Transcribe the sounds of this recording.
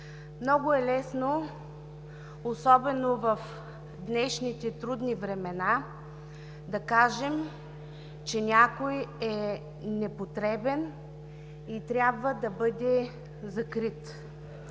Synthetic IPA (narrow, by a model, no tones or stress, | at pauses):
mnɔɡʊɛlɛsno | osɔbɛnovɐf | d̪nɛʃnit̪ɛt̪ɾud̪nivɾɛmɛna | d̪ɐkaʒɛm | t͡ʃɛnʲakojɛ | nɛpot̪ɾɛbɛn | it̪ɾʲjabvəd̪ɐbɤd̪ɛ | zɐkɾit̪